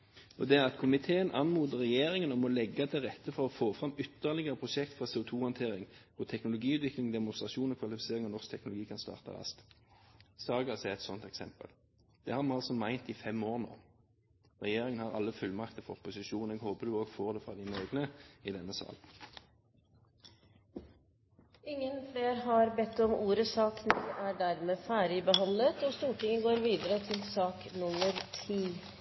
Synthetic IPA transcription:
ɔd̪ɛæʁɑt̪kʰʊmɪt̪ʰeːənʔɑnmuːd̪əʁɛjeːɾɪŋənɔmɔlɛɡːɑt̪ʰɪlʁɛt̪ːəfɔʁɔfoːfʁɑmʏt̪ːəʁlɪɡəʁəpʰʁʊʃɛkt̪fɑseːʊt̪ʰuːhɑnt̪ʰeːɾɪŋkʰʊt̪ʰɛknʊlʊɡiːʉːt̪ʋɪklɪŋd̪ɛmʊnst̪ʁɑʃuːnɔkʰʋɑlɪfɪ̥seːʁɪŋɔnɔsk̚t̪ʰɛknʊlʊɡiːkʰɑnst̪ɑ̰ːʁt̪ə̰ʁɑ̰st̪ | sɑːɡɑsɛɛt̪sɔnt̪ɛksɛmpə̰l | d̪̥ɛhɑːmɑɑlsɔmæɪnt̪ɪfɛmoːʁno̰ː | ʁɛjeːʁɪŋənhɑʁɑ̰lːəfʉlmɑkt̪əfɔʁpʊsɪʃuːn̩ɛːɡhoːpəd̪ʉoːɡfoːʁd̪ɛfʁɑːd̪ɪneːɡnəid̪ɛnːəsɑ̰ːl | ɪŋːənfleːɾɦɑɾbɛt̪ːɔmuːɾəsɑːkniːʔæːɖæɾmeːfæːɾɪbəɦɑnlət̪ɔst̪uːʈʰɪŋəɡoːɾʋiːd̪əɾət̪ʰɪlsɑːknʊməɾt̪ʰiː

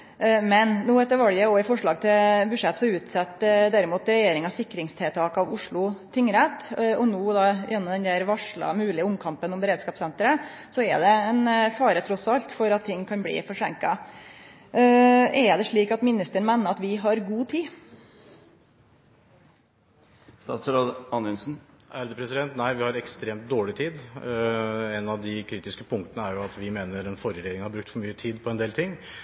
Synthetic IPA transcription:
mɛnnuːɛt̪ːəɾʋɑljəɔɪfɔʂɭɑːɡ̚t̪ʰɪbʉʂɛt̪ːsɔʉːt̪sɛt̪ːd̪æɾɪmuːt̪ɾɛjeːɾɪŋɑsɪkːɾɪŋst̪ʰɛːlt̪ʰɑːkɑʋʊʂɭʊt̪ʰɪŋːɾɛt̪ɔnoːd̪ɑjʔɛnːɔmd̪ɛnd̪æːɾʋɑʂɭɑ̰mʉːlɪəʊmkʰɑmpənɔmbəɾeːd̪skɑːpsɛnt̪ɾə | sɔɛ̰d̪ɛɛnfɑːɾət̪ʰɾɔsɑlt̪fɔɾɑt̪ʰːɪŋːkʰɑnblḭːfɔʂɛ̰ŋkɑ | ɛd̪ɛʂɭiːkɑt̪mɪnɪst̪əɳmænːəɾɑt̪ʋɪɦɑɾɡuːt̪ʰiː | st̪ɑːt̪sɾoːd̪ɑnɪnsn̩ʔæɾd̪əpʰɾɛsɪd̪ɛnt̪næɪʋɪhɑɾɛkst̪ɾeːmt̪̚d̪oːɭɪt̪ʰiːd̪ | ɛnɑʋd̪ɪkʰɾiːt̪ɪskəpʰʊŋkt̪ənəæɾjʊɑt̪ʋɪmeːnəɾɛnfɔɾəɾed̪ɪŋhɑɾbɾʉkt̪fɔɾmyːət̪ʰiːd̪pʰɔɛnd̪eːlt̪ʰɪŋː

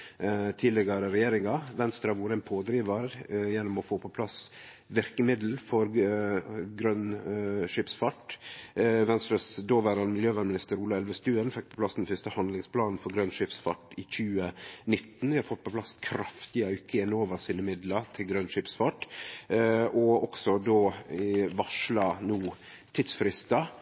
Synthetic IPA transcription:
t̪ʰiːlɛɡəɾəɾɛjeːɾɪŋɑʋɛnst̪ɾɑʋuːɾɛnpʰoːd̪ɾiːʋɑɾjɛnːʊmɔfoːpʰɔpʰlɑs | ʋɪɾkəmɪd̪l̩fɔɾ | ɡɾœnʂɪpsfɑʈ | ʋɛnst̪ɾɑsd̪oːʋæɾɑnmɪljøːʋænmɪnɪst̪əɾuːlɑɛlʋəst̪ʉːənfɛk̚pʰɔ̥pʰlɑsd̪ɛnfʏst̪əhɑnd̪lɪŋspʰlɑːnn̩fɔɾɡɾœnʂɪpsfɑ̰ʈɪçʉːənɪt̪ːn̩ʋɪhɑɾfɔt̪̚ːpʰɔpʰlɑskʰɾɑft̪ɪəʉkʰːəɛnoːʋəɾsiːnəmɪd̪lɑt̪ʰɪlɡɾœnʂɪpsfɑʈ | ʔɔɔksɔd̪oːʋɑʂlɑnuː | t̪ʰɪd̪sfɾɪst̪ɑ

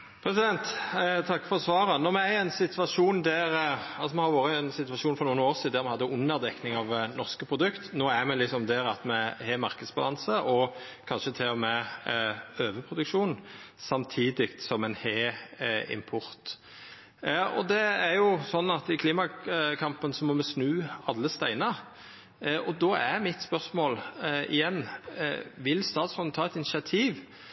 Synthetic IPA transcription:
pʰɾɛsɪd̪ɛnt̪t̪ʰɑkːfɔɾsʋɑːɾənɔʁmɛæɛnsɪt̪ʰʋɑʂuːnd̪æɾɑlsɔmɛhɑɾʋoːɾəɛnsɪt̪ʋɑʃuːnfɔɾnuːənoːʁsiːd̪æmɛhɑd̪ːəʊnːəʁd̪ɛknɪŋɑʋnɔʁskəpʰʁʊd̪ʉkt̪noːæɾmɛlɪksɔmd̪æɾɑt̪mɛheːmɑɾkəd̪sbɑlɑnsəʔɔ | kʰɑnʃət̪ʰɪɔmɛ | øːʋəpʰʁʊd̪ʉkʂuːn | sɑmt̪ʰiːd̪ɪk̚t̪sɔmɛnheːɪ̰mpʰɔɾt̪ | ɔ̰d̪ɛæɾjʊsɔnːɑt̪ɪkʰliːmɑkʰɑmpənsɔmɔmɛsnʉːɑlːəst̪æɪnə | ʔɔd̪oːæɾmɪt̪spœʁsmoːlɪ̰jɛnː | ʋɪlst̪ɑːt̪sʁɔnət̪ʰɑːɛt̪ɪnɪʃɪɑt̪ʰiːʋ

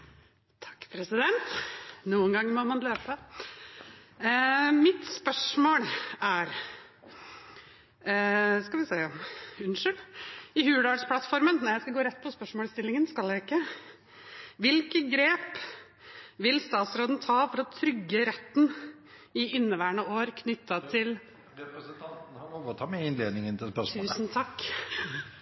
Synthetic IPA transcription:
t̪ʰɑ̥kːpʰɾɛsɪd̪ɛnt̪nuːənɡɑŋːmɔmɑnløːpə | mɪt̪spœʂmoːɭæɾ | skɑʋɪseɪɔmʉnʂəlɪhʉːɖ̪ɑɖspʰlɑt̪fɔɾmənnɔɾjæɪskɑɡoːɾɛt̪ːpʰɔspœʂmoːlst̪ɪlɪŋənskɑld̪jæɪkːə | ʋɪlkəɡɾeːp | ʋɪlst̪ɑːt̪sɾoːd̪n̩t̪ʰɑːfɔɾɔt̪ʰɾʏɡːəɾɛt̪ːn | ɪɪnːəʋæːəɳəoːɾkʰnʏt̪ːɑt̪ʰɪl | ɾɛpɾəsət̪ʰɑnt̪n̩hɑʋɔʋɔt̪ʰɑmɛɪnleːd̪nɪŋənt̪ʰɪlspœʂt̪ʰʉːsn̩t̪ʰɑkː

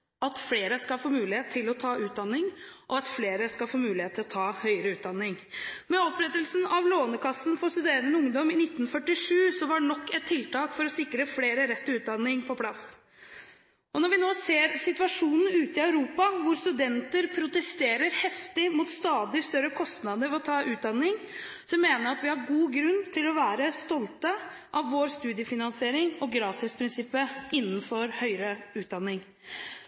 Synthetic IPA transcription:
ɑt̪fleːɾəskɑlfoːmʉːlɪheːt̪ʰːɪlɔt̪ʰɑːʉːt̪̚d̪ɑnːɪŋʔɔɑt̪fleːɾəskɑlfoːmʉːlɪheːt̪ʰːɪlɔt̪ʰɑːhœʏəɾəʉːt̪̚d̪ɑnːɪŋ | mɛɔpɾɛt̪ːəlsn̩ɑʋloːnəkʰɑsːn̩fɔst̪ʉd̪eːɾənəʊŋd̪ɔmɪnɪt̪ːn̩fœʈːɪʂʉːsɔʋɑɖnɔkːɛt̪ʰːɪlt̪ɑːkfɔɾɔsɪkːɾəfleːɾəɾɛt̪ːʉːt̪̚d̪ɑnːɪŋpʰɔpʰlɑs | ɔnɔɾʋɪnoːseːɾsɪt̪ʉʋɑʂuːnn̩ʉːt̪ɪœʉɾuːpɑʋʊɾst̪ʉd̪ɛnt̪əɾpʰɾʊt̪ɛst̪eːɾəɾhɛft̪ɪmʊt̪st̪ɑːd̪ɪst̪œɾːəkʰɔst̪nɑd̪əɾʋɔt̪ʰɑːʔʉːt̪̚d̪ɑnːɪŋ | sɔmːeːnəɾɑt̪ʋɪhɑɾɡuːɡɾʉnt̪ʰɪlɔʋæːɾəst̪ɔlt̪əʔɑʋːoːɾst̪ʉːd̪ɪəfɪnɑnsɪeːɾɪŋɔɡɾɑːt̪ɪspʰɾɪnsɪpːəʔɪnːənfɔɾhœʏɾəʉːt̪̚d̪ɑnːɪŋ

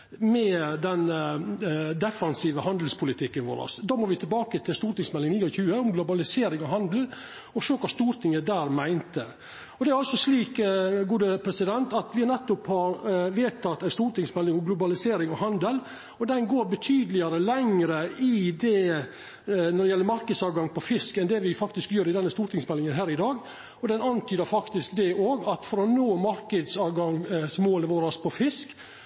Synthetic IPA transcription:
mɛd̪ɛn | d̪ɛfɑnsiːʋəhɑnd̪l̩spʰʊlɪt̪ʰɪkːənʋo̰ːɾɑ̰sd̪ɑːmoːɾʋɪt̪ʰɪlbɑːkət̪ʰɪlst̪uːɾʈɪŋsmɛlɪŋniːɔçʉːəʊmɡlʊbɑlɪseːɾɪŋɔɦɑnd̪l̩ | ɔʂøːkʰɑst̪uːɾt̪ʰɪŋːəd̪æːɾmæɪnt̪ə | ɔd̪ɛæɾɑlsɔsliːkɡuːd̪əpʰɾɛsɪd̪ɛnt̪ɑt̪ʋɪnɛt̪ːʊphɑɾʋeːt̪ʰɑt̪ːæɪst̪uːɾʈ̪ɪŋsmɛlːɪŋɔmɡlʊbɑlɪseːɾɪŋɔɦɑnd̪əl | ɔd̪ɛnɡoːɾbət̪ʰyːd̪əlɪɑɾəlɛŋɾəʔɪd̪ɛ | nɔɖ̪ɛjɛlːəɾmɑɾkəd̪sɑːʋɡɑŋpʰɔfɪskɛnd̪ɛʋɪfɑkt̪ɪskjøːɾɪd̪ɛnːəst̪uːɾʈ̪ʰɪŋsmɛlːɪŋənɦæːɾɪd̪ɑːɡ | ɔd̪ɛnɑnt̪ʰyːd̪əɾfɑkt̪ɪskd̪ɛʔoːɡɑt̪fɔɾɔnoːmɑɾkəd̪sɑːʋɡɑŋsmoːləʋoːɾɑspʰɔfɪsk

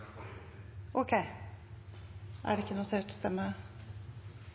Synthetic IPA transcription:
ʔokʰeɪ | ʔæ̰ɖɛɪkːənʊt̪ʰeːʈɔst̪ɛmːə

